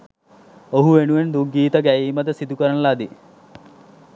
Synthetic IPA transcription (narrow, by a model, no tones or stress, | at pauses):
oɦuʋenuʋend̪uɡiːt̪əɡæiːməd̪əsid̪ukəɾənəlad̪i